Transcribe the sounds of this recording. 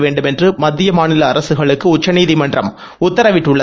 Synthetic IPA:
ʋeːɳɖɯmɛndrɯmɐd̪ːɪjɐmaːnɪlɐːɾɐsɯɣɐɭɯkːɯʊt͡ʃːɐniːðimɐndrɐ̰m | ʊt̪ːɐɾɐʋɪʈːɯɭːɐ

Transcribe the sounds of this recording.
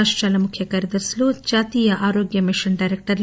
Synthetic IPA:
aʂʈɾaːlɐmukʰjɐkɐɾid̪ɐɾslud͡ʒaːt̪iːjɐʔaːɾoːɡjɐmiʃɐɳɖɐjɾek̚ʈɐɾ

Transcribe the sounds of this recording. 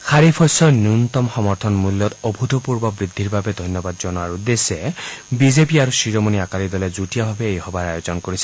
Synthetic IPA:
xʰaɹipʰɔjsɔnjunt̪ɔmxɔmɔɹt̪ʰɔnmulːɔt̪ɔbʱut̪ɔpuɹbɔbɹid̪ʱːiɹbabɛd̪ʱɔjnjɔbad̪̚zɔnɔaɹud̪esɛbizepiaɹusiɹɔmoniakalid̪ɔlɛzutijabʱabɛejhɔbaɹajozɔnkoɹisʰɛ

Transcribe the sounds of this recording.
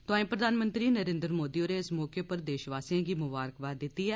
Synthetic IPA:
t̪ʊãːĩːpɾəd̪aːnmə̃nt̪ɾiːnəɾẽːnd̪ɾmoːd̪iːoːneːɪsmɔːkeːpəɾd̪eːʃʋaːsiãːɡiːmʊbaːɾkʋaːd̪ɪt̪ːiːɛː

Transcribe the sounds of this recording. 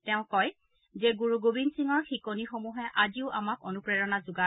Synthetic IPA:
tɛʊ̃kɔj | zɛɡuɹuɡobinsiŋɔɹxikonixomuɦɛʔaziʊʔamakonupɹɛɹɔnazuɡa

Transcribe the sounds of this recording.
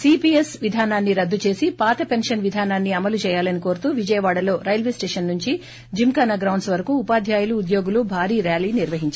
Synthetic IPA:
siːpiːesʋid̪ʱaːnaːnːiɾɐd̪ːut͡ʃe̞ːsipaːt̪ɐpenʂɐnʋid̪ʱaːnaːnːiɐmɐlut͡ʃɛːjaːlɐniko̞ːɾut̪uːʋid͡ʒɐjɐʋaːɽɐlo̞ːɾɐjɐlʋeːsʈeːʂɐnːuɲt͡ʃi | d͡ʒimkaːnaɡɾɐwɳɖsʋɐɾɐkuːpaːd̪ʱjaːjuluːd̪jo̞ːɡulubʱaːɾiːɾaːliːniɾʋɐɦiɲt͡ʃa

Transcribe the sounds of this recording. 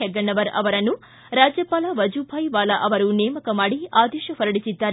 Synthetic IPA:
ɛɡːɐɳːɐʋɐɾɐ̰ʋɐɾɐnːu | ɾaːd͡ʒjɐpaːlɐʋɐd͡ʒubʱaːjʋaːlɐʔɐʋɐɾunɛːmɐkɐmaːɽiaːd̪ɛːʃɐpɐɾɐɽisid̪ːaːɾe

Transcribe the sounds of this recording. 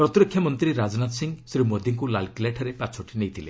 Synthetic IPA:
pɾɔt̪ɾɔkʰjɔmɔnt̪ɾiɾad͡ʒɔnat̪siŋsɾimod̪iŋkulalkileʈʰɔɾepat͡ʃʰɔʈʰinejt̪ʰile

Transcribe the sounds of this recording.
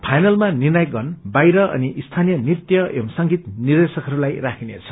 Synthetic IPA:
pʰajnʌlmanirnaj̚ɡʌnbajɾʌʔʌ̰niʔist̪ʰanijʌnit̪jʌemsʌŋɡit̪nird̪esʌkɦʌɾulajrakʰinḛt͡sʰʌ̥

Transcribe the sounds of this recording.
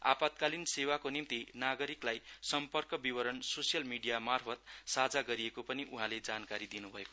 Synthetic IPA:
a̰pat̪̚kalinsewakonimt̪inaɡʌɾiklajsʌmpʌrkʌbiwʌɾʌnsosijʌlmiɖijamarpʰʌt̪sad͡zaɡʌɾiekopʌniʔuɦãled͡zankaɾid̪inubʱʌeko

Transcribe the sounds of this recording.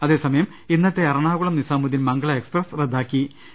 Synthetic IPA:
ɐðe̞ːsɐmɐjɐm | inːɐt̪ːeɐɾɐɳaːɣuɭɐmnisaːmud̪inmɐŋɡɐɭɐeksprɐsred̪ʱːaːkːi

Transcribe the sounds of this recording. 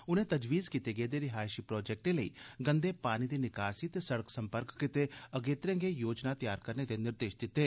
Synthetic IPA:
ʊnẽːt̪ɐd͡ʒʋiːzkit̪eɡeːd̪eːɾɪɦaːjʃipɾɔːd͡ʒɛk̚ʈeləḭːɡə̃nd̪eːpaːñid̪iːnɪkaːsit̪eːsəɽəksə̃mpəɾkːɪt̪eɐɡeːt̪ɾɛ̃ŋɡejoːd͡ʒnat̪jaːɾkəɾned̪eːnɪɾd̪eːʃd̪ɪt̪ːeː

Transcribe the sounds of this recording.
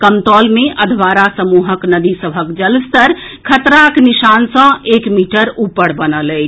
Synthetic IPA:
kəmt̪ɔlmeʔəd̪ʱʋaɾasəmuɦəknəd̪isəbʱəkd͡ʒəlst̪əɾ | kʰət̪ɾaknisansə̃ekmiʈəɾupːəɽbənələt͡ʃʰ

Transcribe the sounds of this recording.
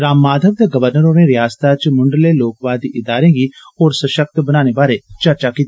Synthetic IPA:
ɾaːmːaːd̪ʱəʋd̪eːɡəʋəɾnəɾoːnẽːɾɪjaːst̪aːt͡ʃmʊɳɖleːloːkʋaːd̪iːʔɪd̪aːɾẽːɡiːɦoːɾsəʃək̚t̪bənaːnebaːɾeːt͡ʃəɾt͡ʃaːkiːt̪a

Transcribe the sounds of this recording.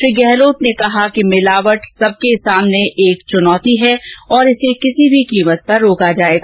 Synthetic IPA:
ʃɾiːɡɛɦloːt̪nekɐɦakimɪlaːʋəʈsɐb̚kesaːmneʔeːkt͡ʃʊnɔːt̪iɦɛɔːɾɪsekɪsibʱikiːmət̪̚pɐɾːoːkad͡ʒaːeːɡaː

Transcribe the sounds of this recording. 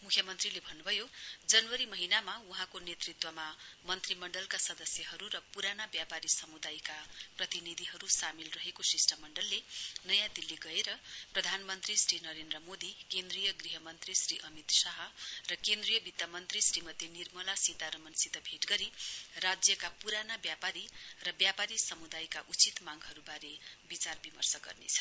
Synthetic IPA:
mukʰjʌmʌnt̪rilebʱʌnːubʱʌjod͡zʌnwʌɾimʌɦinamauɦãkonet̪rit̪wʌmamʌnt̪rimʌɳɖʌlkasʌd̪ʌsjʌɦʌɾuɾʌpuɾanabjapaɾisʌmud̪ajkaprʌt̪inid̪ʱiɦʌɾusamilrʌɦekosisʈamʌɳɖʌlːenʌjãd̪ilːiɡʌeɾʌprʌd̪ʱanmʌnt̪risrinʌɾend̪rʌmod̪ikend̪rijʌɡriɦʌmʌnt̪risriʔʌmit̪saɦʌrʌkend̪rijʌbit̪jamʌnt̪risrimʌd̪ːenirmʌlasit̪aɾʌmʌnsit̪ʌbʱeʈɡʌɾirad͡zjʌkapuɾanabjapaɾirʌbjapaɾisʌmud̪ajkaʔut͡sit̪maŋɦʌɾubaɾebit͡sarbimʌrsʌɡʌ̰rnḛt͡sʰʌ̥

